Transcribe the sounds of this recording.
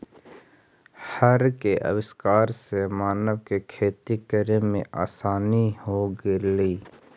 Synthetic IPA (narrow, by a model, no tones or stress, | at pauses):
həɾkeʔə̰wɪskaːɾsemaːnəʋkekʰeːt̪ikəɾemẽʔa̰ːsaːnihoɡeliː